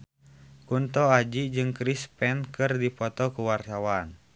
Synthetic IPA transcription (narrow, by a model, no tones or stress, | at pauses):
kunt̪ɔad͡ʒid͡ʒɨŋkɾispɛnkɨrdipɔt̪ɔkuwart̪awan